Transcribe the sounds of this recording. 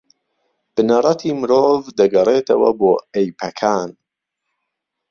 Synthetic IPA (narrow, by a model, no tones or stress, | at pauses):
b̥ɨnɐrˤɐt̪ʰiːmɨɾoːvd̪ɐɡɐreːt̪ʰɐwɐ̰boːejpʰɐkʰaːn